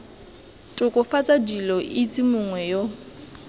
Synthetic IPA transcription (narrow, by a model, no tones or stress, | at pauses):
tʼʊkʼʊfat͡sʼadilɔʔɪt͡sʼimʊŋwɛjo